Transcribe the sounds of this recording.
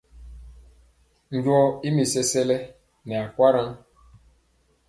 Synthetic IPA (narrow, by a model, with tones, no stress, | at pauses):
ɲ̩˦d͡ʒɔ˦i˦mi˨se˦se˦le˦ | nɛ˨a˨kʷa˦ɾa˦n˦